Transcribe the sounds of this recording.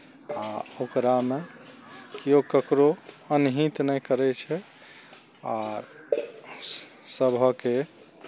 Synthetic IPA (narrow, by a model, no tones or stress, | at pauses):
aokɾame | kiokəkɾo | ənɦit̪nəjkəɾɛt͡ʃʰɛ | aɾ | səbʱəke